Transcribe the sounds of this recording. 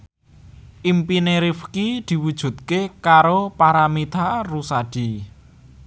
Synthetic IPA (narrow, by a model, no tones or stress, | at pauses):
ʔimpineɾifkid̪̥i̤wud̥ʒ̥ṳt̪̚kekaɾopaɾamid̪̥arusaɖ̥i